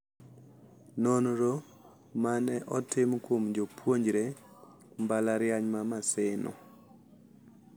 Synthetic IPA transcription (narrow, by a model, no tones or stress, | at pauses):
nonɾo | manɛʔɔtɪmkwomd͡ʒopʰwoɲd͡ʒɾe | mbalaɾjaɲmamasɪnɔ̰